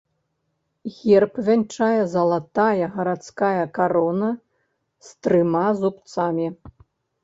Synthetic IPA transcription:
ɣʲɛrpvʲanʲt͡ʂajɐzɐlˠat̪ajɐɣɐɾat̪skajɐkaɾɔnɐ | st̪ɾɨmazupt̪samʲi

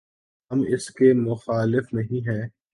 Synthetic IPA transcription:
ɦɐmɪskemʊxaːlɪfnɐɦĩɦɛ̃ː

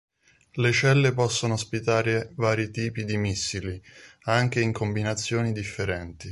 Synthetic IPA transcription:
let͡ʃɛlːepɔsːonoːspit̪aːɾevaːɾit̪iːpid̪imisːiliaŋk̟eiŋkombinat̪sːjoːnid̪ifːeɾɛnt̪i

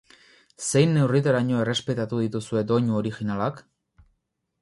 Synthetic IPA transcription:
se̞jnːe̞writ̪aɾaɲo̞e̞re̞spe̞t̪at̪uð̞it̪usue̞d̪o̞ɲuoɾixinalak

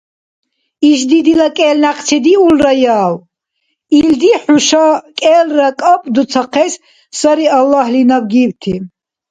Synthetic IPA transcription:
iʃ̬d̪id̪ilakʼɛːlnaqʰʼt͡sʰɛd̪iulrajaːl | ild̪iħuʃakʼɛːlrakʼapʼd̪ut̪sʰaqʰɛs | saɾialːahlinabɡiːwt̪ʰi

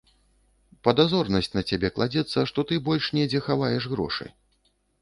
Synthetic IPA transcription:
pɐd̪azɔrnɐsʲt͡sʲnɐt͡sʲabʲɛklˠad͡zʲɛt̪sːɐʂt̪ɔt̪ɨbɔlʲʂnʲɛd͡zʲɛxavajɛʂɣɾɔ̰ʂɨ̰

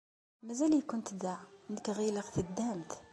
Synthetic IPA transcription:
mæzælijkʊnt̪d̪aʕnəkɣiləqt̪əd̪ːæmt̪

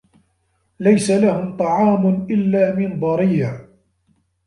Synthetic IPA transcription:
lajsalahʊmt̪ˤɑʕɑːmʊnʔɪlːaːmɪnd̪ˤɑɾiː

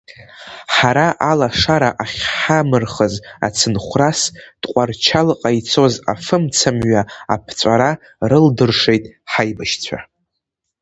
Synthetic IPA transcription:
ħaɾaʔalaʂaɾaʔaχʲħamɨrχəza̰t͡sʰɨnχʷrasd̥qʷʼart͡ʃʰalqʼajt͡sʰo̞za̰fɨmt͡sʰamɥaapʰt͡sʷʼaɾa | rɨldɨrʂe̞jtʼħajbaʃt͡sʷʰa̰

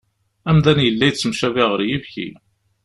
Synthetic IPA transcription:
æmðænjəlːæjt͡sːəmʃæviʁəɾjivçḭ

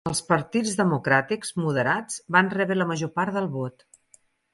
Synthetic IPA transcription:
əlˠspəɾt̪id͡zðəmukɾat̪ikzmuðəɾad͡zβanrɛβɾələməʒopaɾðəlˠβot̪

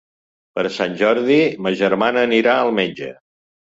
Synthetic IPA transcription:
pəɾəsanʲʒɔɾðiməʒəɾmanəːniɾaəlˠmed͡ʒə̰

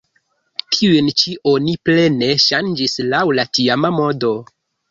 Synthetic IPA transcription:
tʰiuent͡ʃiʔo̞niple̞ne̞ʃand͡ʒislawlatiamamo̞do̞

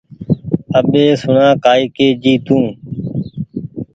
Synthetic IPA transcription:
əɓeːsʊɳãːkaːiːkeːd͡ʒiːt̪ũː

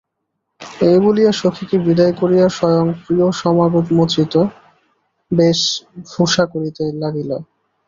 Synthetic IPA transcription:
ejbulijaʃokʰikebid̪ajkoɾijaʃɔjoŋpɾioʃɔmaɡot̪mot̪ɾit̪o | beʃbʱuʃakoɾit̪elaɽilo

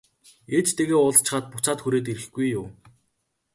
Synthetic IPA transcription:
eːt͡ɕt̪ʰeɣeːʊɮt͡ɕɪ̆χaːt̪̚pʊt͡saːt̪xuɾeːt̪̬iɾɘ̆xɡ̥ujːʊː

